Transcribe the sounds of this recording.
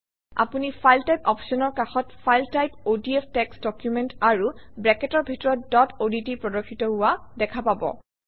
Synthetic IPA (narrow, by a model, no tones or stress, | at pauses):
a̰punipʰajltajpɔpsɔnɔɹkaxɔtfajltajpodiepʰtɛksdɔkjumɛntaɹubɹɛkɛtɔɹbʱitɔɹɔtdɔtoditipɹɔdokʰːitɔɦʊwadɛkʰapabɔ̰